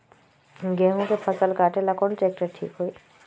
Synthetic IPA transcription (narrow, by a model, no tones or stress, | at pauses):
ɡɛ̃ːɦõkepʰɐsəlkaːʈelakonʈeːk̚ʈeʈʰḭːkɦui